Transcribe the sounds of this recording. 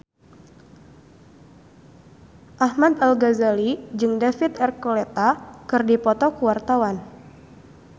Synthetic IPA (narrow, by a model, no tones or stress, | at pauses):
ʔahmad̪alɡazalid͡ʒɨŋdafit̪ɛrkolet̪akɨrdipɔt̪ɔkuwart̪awan